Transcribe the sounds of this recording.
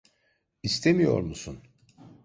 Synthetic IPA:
ist̪ʰemijo̞̰ɾmusun

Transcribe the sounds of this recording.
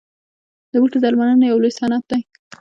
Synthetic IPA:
d̪əbəʈazalmanənajawlosɑnɑt̪̚d̪aj

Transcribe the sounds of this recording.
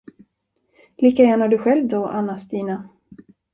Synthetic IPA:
liːkajæːɳaɖɵɧɛlvd̪ɔʔa̰nːast̪iːna

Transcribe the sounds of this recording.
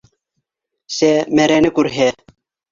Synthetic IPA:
semeɾenekuɾɦe

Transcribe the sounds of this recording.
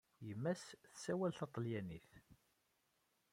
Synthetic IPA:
jəmːæsθsæwælθɑt̪ˤːljæniθ

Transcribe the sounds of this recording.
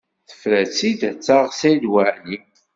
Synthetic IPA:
θə̥fɾæt͡sːid̪t͡sːaʁsæjd̪waʕni

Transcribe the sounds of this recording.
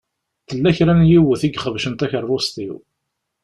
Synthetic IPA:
θəlːæçɾænjiwəθiɡχəvʃənt̪æçəɾˤːost̪iw

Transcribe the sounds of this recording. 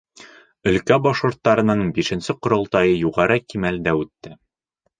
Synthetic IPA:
ɵ̆lkæbɒʃqŭɾt̪ːɑɾɤ̆nɤɴbiʃɘ̆nsɘqŏɾŏlˠt̪ɑjɤjuʁɑɾɤkimæld̪æʉt̪ːɘ

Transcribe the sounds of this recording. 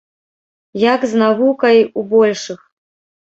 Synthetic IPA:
jaɡznavukɐjubɔlʲʂɨx

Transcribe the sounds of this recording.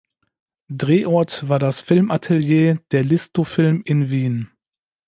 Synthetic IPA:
dʁeːʔɔɐtv̥aːɐdasfɪlmʔatʰɛljeːd̥eːɐlɪstofɪlmɪnviːn

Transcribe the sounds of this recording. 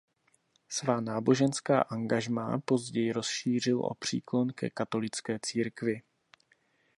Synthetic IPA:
svaːnaːbo̞ʒɛnska̰ːʔaŋɡaʒma̰ːpo̞zɟɛjɪɾo̞sʃiːr̝ɪlʔo̰pr̝̥ḭːklo̞nkɛ̰kat̪o̞lɪt͡skɛːt͡siːɾkvɪ

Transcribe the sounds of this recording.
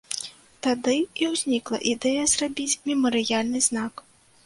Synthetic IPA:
t̪ad̪ɨiwzʲnʲiklˠɐ̰ʔid̪ɛjɐzrabʲit͡sʲmʲɛmɐɾɨjalʲnɨznak

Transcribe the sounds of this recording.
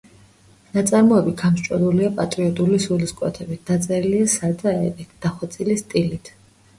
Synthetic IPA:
nat̪sʼaɾmɔɛbit̪̚ɡ̥amʃt͡ʃʼɛ̰luliapʼat̪ʼɾiɔt̪ʼulisuliskʼwɛ̰t̪ʰɛbit̪̚d̪̥at̪sʼɛɾiliasad̪aɛpɛd̪̥aχwat̪sʼilist̪ʼilit̪ʰ

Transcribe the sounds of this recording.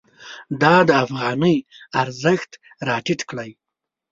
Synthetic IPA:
d̪ɑd̪əafɣɑnəjaɾzəxt̪ | ɾɑʈɪʈkɽaj

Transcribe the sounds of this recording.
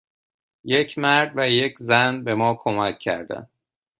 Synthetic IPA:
jecʰmæɾd̪væje̞cʰzænbe̞mɒːkʰomæcʰːæ̰ɾd̪æ̰n

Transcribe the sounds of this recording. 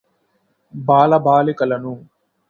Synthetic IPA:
baːlɐbaːlekɐlɐnũː

